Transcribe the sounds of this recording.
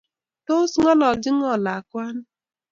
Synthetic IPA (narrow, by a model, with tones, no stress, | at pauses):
to˦sŋɔ˦lɔ˨d͡ʒɪ˦ŋ˦ɔ˦˨la˨kʷa˦n̩˦